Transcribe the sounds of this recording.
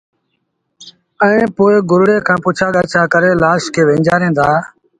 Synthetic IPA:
ə̃ẽːpoːeːɡʊɾɽeːkʰãːpʊːt͡ʃʰaːɠəːt͡ʃʰaːkəɾeːlaːʃkʰeːʋẽːɲd͡ʒaːɾẽːnd̪aː

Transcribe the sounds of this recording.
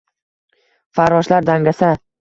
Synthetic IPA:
faɾɒʃlaɾd̪aŋɡʲasa

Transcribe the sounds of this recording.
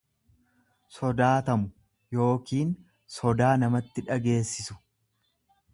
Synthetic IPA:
sɔd̪aːt̪ɐmʊ | jo̞ːkiːn | sɔd̪aːnɐmɐt̪ːɪᶑɐɡe̞ːsːɪsʊ̥

